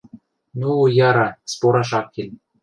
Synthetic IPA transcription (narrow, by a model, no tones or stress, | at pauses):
nujɑɾɑspoɾɑʃɑk̚kʲːelʲ